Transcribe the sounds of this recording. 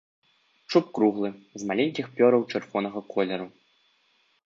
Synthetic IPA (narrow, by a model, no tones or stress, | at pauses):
t͡ʂup̚kɾuɣlˠɨzmalʲenʲkʲixpʲɔɾɐwt͡ʂɨrvɔnɐɣɐkʰɔlʲɛɾu